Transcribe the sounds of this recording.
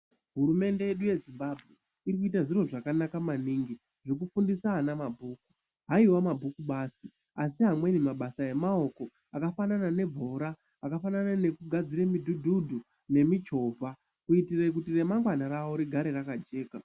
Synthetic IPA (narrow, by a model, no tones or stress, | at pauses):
ɦuɾume̞nde̞je̞ɗuje̞zimbabʱɣe̞ | irik̬uitaʐiro̞ʐakanakamaniːŋɡi | ʐikufundisaːnamabʱuːku̥ | ɦaiwamabʱukuɓaːsi | asiɦamwe̞nimaɓasae̞mao̞ko̞ | akafananane̞vʱo̞ɾaː | kafananane̞kuɡʱad͡ziɾemidʱudʱudʱu | ne̞mid͡ʒo̞vʱa | kuitirek̬utire̞maŋɡwanaɾawo̞ɾiɡʱaɾerakad͡ʒe̞ːka